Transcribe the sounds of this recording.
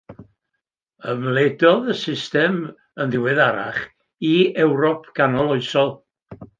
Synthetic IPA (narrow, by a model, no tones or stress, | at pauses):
əmlˠedɔðəsɪstɛm | ənðɪwɨðaɾa̰χ | iɛwɾɔpʰɡ̥anɔlˠɔɨsɔlˠ